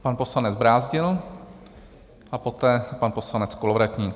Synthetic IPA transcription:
panposlanɛd͡zbɾaːzɟɪl | ʔapot̪ɛːpanpo̞slanɛt͡skolovɾat̪ɲiː

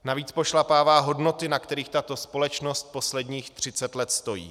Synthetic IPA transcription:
naviːt͡spo̞ʃlapaːvaːɦodno̞t̪ɪnakt̪ɛɾiːxt̪at̪o̞spo̞lɛt͡ʃno̞st̪̚po̞slɛdɲiːxt̪r̝̥ɪt͡sɛt̪lɛt̪st̪o̞jḭː

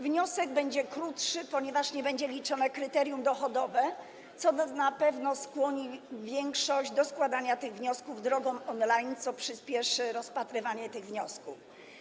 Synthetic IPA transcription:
vɲɔsɛɡ̚bɛɲd͡ʑɛkɾut̪ʂɘpɔɲɛvaʂɲɛbɛɲd͡ʑɛlʲit͡ʂɔnɛkɾɘt̪ɛɾʲjumd̪ɔxɔd̪ɔvɛ | t̪sɔnapɛvnɔskwɔɲivʲjɛŋkʂɔʑd͡ʑd̪ɔskwad̪aɲat̪ɘɣvɲɔskuvd̪ɾɔɡɔ̃w̃ɔnlajnt̪sɔpʂɘspʲjɛʂɘɾɔspat̪ɾɘvaɲɛt̪ɘɣvɲɔskuf

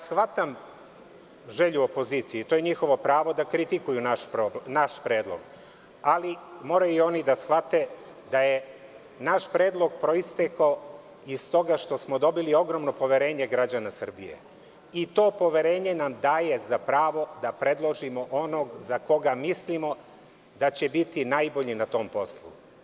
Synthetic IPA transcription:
sxʋat̪am | ʒe̞ʎuopo̞ziːt̪sijit̪ojeɲixo̞ʋo̞pɾaːʋo̞d̪akɾit̪ikujunaʃpɾonaʃpɾe̞ːd̪lˠo̞̰ɡ̥ | alimo̞ɾaio̞nid̪asxʋat̪e̞ | d̪aje | naʃpɾe̞ːd̪lˠo̞ɡpɾo̞ist̪eko | ist̪o̞ɡaʃt̪o̞smo̞d̪o̞bilio̞ɡɾomno̞po̞ʋeɾe̞ːɲe̞ɡɾad͡ʑanasr̩bijḛ | it̪o̞ːpo̞ʋe̞ɾe̞ːɲe̞namd̪aːje̞zapɾaːʋo̞d̪apɾe̞d̪lˠo̞ʒimo̞ʔonoɡzako̞ɡamislimo̞ | d̪at͡ɕebit̪inajbo̞ʎinat̪o̞ːmpo̞slˠṵ

